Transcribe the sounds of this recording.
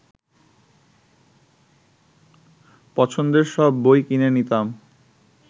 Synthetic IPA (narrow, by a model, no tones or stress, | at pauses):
pɔt͡ɕʰond̪eɾʃɔbːojkinenit̪am